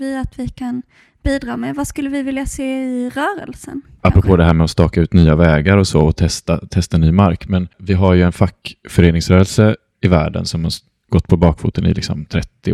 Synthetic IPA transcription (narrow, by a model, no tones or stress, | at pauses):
vɪat̪vɪkʰan | b̥iːd̪ɾɑːmɛvaskɵlːəvɪvɪljaseːɪɾœːɾə̰lsə̰n | apːɾɔpʰoːd̪ɛɦæːɾmɛɔst̪ɑːkaʉ̟ːt̪nyːavɛːɡaɾɔsɔɔt̪ʰɛst̪a̰t̪ʰɛst̪aɛnːyːmaɾkmɛnvɪɦaɾjɵɛnfakːfœɾeːnɪŋsɾœːɾəlsə | ɪvæ̰ːɖə̰nsɔmha | ɡ̥ɔt̪ːpʰɔbɑːkfṵːt̪ənɪ̰lɪ̰ksɔ̰mt̪ʰɾɛt̪ːɪ